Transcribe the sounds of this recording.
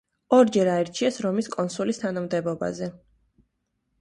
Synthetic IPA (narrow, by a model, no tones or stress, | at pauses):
ɔɾd͡ʒɛɾaɛɾt͡ʃʰiasɾɔmiskʼɔnsulist̪ʰanamd̪ɛbɔba̰zɛ